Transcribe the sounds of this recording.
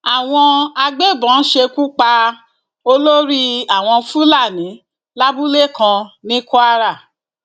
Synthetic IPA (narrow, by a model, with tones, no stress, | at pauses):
a˨w̃ɔ̃˧a˧ɡ͡be˦˨bɔ̃˨˦n̩˦ʃe˧ku˦k͡pa˧ | o˧lo˦ɾi˦a˦˨w̃ɔ̃˧fu˦la˦˨nĩ˨˦ | la˦bu˦le˦˨kã˧nĩ˦ku˦a˦ɾa˦˨